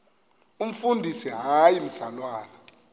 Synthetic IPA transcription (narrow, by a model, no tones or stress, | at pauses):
um̩fundʱisiɦajim̩salwaːna